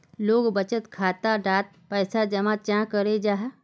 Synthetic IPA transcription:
loːɡbət͡ʃət̪kʰaːt̪aɖaːt̪̚pɛːsad͡ʒɐmãt͡ʃãːkəɾed͡ʒaːɦ

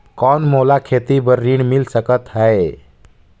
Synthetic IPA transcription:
kɔnmolakʰet̪ibəɾːiɳmilsəkət̪ɦəe

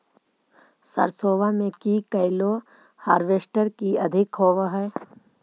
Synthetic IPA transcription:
sɐ̰ɾsoːʋamẽkikəɪlo | haːɾʋeːsʈəɾkiɐd̪ʱɪkɦoːʋaɦɛ

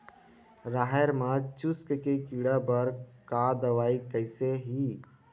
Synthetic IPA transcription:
ɾaːɦɛɾmãt͡ʃʊskkekiːɽabəɾkad̪əʋaːikəɪseɦi

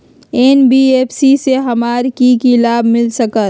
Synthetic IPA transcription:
eːnbieːpsiseɦɐmaːɾkikilaːbmɪlsəkət̪

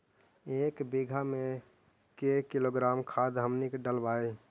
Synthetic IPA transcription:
ekbiɡʱame | kekiloɡɾamkʰad̪ɦəmnikɖəlbaːe

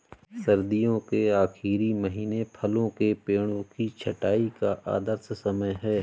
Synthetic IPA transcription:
sɐɾd̪ijõkeaːxʰiːɾiməɦiːnepʰɐlõkepeːɽ̃õkit͡ʃʰɐʈaːikaʔa̰ːd̪əɾssɐməjɦɛː

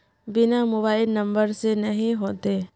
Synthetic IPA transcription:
bɪnamʊβaːɪlnɐ̃mbəɾsenɐɦĩɦoːt̪eː

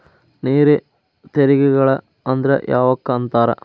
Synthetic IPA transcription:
niːɾe | t̪eɾiɡɛɡɐɭɐ | ɐnd̪ɾɐ̰ʔjaːʋɐkːɐɐnt̪aːɾɐ̰

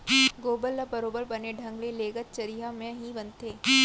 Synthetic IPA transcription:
ɡoːbəlːəbɐɾoːbəɾbɐneɖʱɐ̃ŋɡleleːɡət̪̚t͡ʃɐɾiːɦamɛ̃ɦibɐnt̪eː

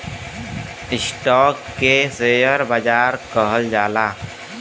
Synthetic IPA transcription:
ɪsʈɔːkːeseːjəɾbəd͡ʒaːɾkəɦəld͡ʒaːlaː

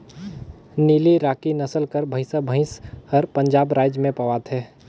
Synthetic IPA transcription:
niːliɾaːkinəsəlkəɾbʱə̃ɪsəbʱə̃ɪ̃shəɾpə̃ɲd͡ʒaːbɾaːd͡ʒmẽpɐʋaːt̪ɦɛː

